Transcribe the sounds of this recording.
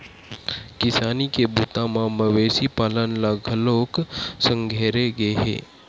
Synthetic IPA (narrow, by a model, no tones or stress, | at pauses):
kɪsaːnikebut̪ãmãməʋesipaːlənlaɡʱəloːksə̃ŋɡʱeɾeɡeɦḛ